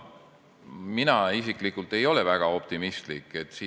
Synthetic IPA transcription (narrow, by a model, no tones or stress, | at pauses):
minɑisikˑlikult̪e̞jo̞le̞væɡ̥ɑo̞p̚t̪imist̪likːˑe̞t̪ːsiː